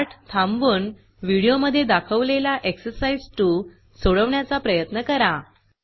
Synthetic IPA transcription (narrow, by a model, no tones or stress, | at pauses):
ʈʰt̪ʰãmʋuːn | ʋiɽijoməd̪ʱːjed̪akʰəʋlelaʔeksəɾsaid͡zʈuː | soɭəʋɳjat͡sapɾəjət̪nəkəɾa